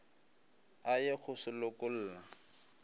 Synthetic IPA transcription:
ajek͡xʊsɪlʊkʊl̩ːla

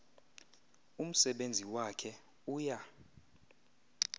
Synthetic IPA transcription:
um̩sɛɓend͡zʱiwakʰɛ | uːja

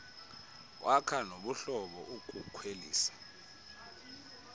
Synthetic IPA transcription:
wʔakʰanoɓuɬɔɓɔʔukʼukʰwelḭːsḁ

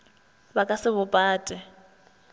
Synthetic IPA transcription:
bakʼasɪβʊpʼaːtʼɛ

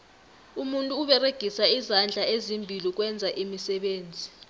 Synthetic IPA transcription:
umuntʼuːɓɛreɡ̥ʱisaizand͡ɮʱaezimbʱilik̬wɛnd͡zʱaʔimisɛɓeːnd͡zʱi

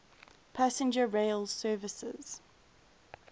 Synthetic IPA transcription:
pʰæsə̃nd͡ʒəɹeɪlˠsɜːvɪsɪ̰z̥

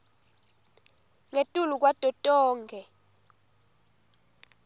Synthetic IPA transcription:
ŋetʼuluk̬wad̥ʱʼɔtʼɔːŋɡʱɛ

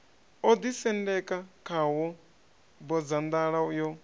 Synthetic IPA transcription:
ɔd̪isɛndɛkʼakʰawɔ | bɔd͡zand̪aɺajɔ

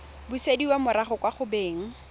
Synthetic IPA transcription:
busediwamʊɾaχʊkwaχʊbeːŋ̩

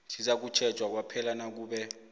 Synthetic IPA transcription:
sizak̬ut͡ʃʰɛ̥t͡ʃʼwak̬wapʰɛlanak̬uːɓɛ

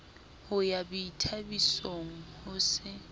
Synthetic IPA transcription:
hʊjabiitʰabisoŋ̩hʊsɪ

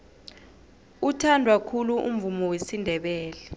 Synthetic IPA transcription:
utʰandʱwakʰuluʔṵm̩vumɔwesindʱɛɓɛːlɛ

